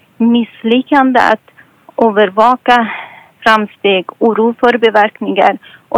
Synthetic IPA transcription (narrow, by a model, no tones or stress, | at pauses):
mɪslʏkːand̪ə̰a̰t̪ | ʔøːvəɾvɑːka | fɾamst̪eːɡuːɾuːfœɾbɛvæɾknɪŋa̰ɾʔɔ